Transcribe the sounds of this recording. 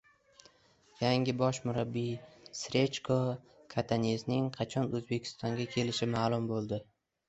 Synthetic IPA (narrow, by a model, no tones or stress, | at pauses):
jaŋʲɪbɒʃmʊɾabːisɾe̞t͡ʃkʰo | kʰat̪ʰaneznɪŋqʰɑt͡ʃʰɒnɵzbe̞kʲʰɪ̥st̪ɒŋɡʲakʲʰe̞lɪʃɪmaːlˠʊmbolˠd̪ɪ